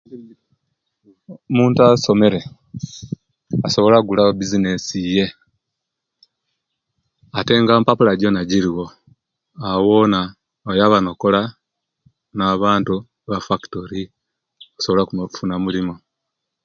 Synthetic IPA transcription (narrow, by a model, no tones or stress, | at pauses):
muːntuaso̞me̞ɾe̞ | aso̞βo̞laɡulaobizine̞sije̞ | ate̞ːŋɡaːmpapulaɟonaɟiɾiwo̞ | awona | ojaβano̞kola | naβaːntu | βafaktoɾi | osoβo̞lakuufunamulimo